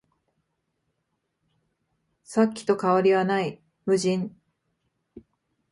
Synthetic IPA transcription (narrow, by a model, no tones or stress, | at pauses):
sakʲːi̥t̪o̞kaaɾʲiβanai | mɯ̟ʑĩɴ